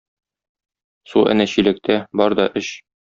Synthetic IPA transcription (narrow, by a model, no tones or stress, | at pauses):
suʔæ̰næɕilæ̆k̚t̪æbɒɾd̪ɒʔɘɕ